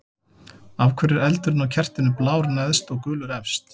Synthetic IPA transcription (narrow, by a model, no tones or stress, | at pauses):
avkʰvɛɾɪɾɛlt̪ʏɾɪnawcʰɛr̥t̪ɪnʏplaːwɾnɛðst̪ɔɣkʏːlʏɾɛfst̪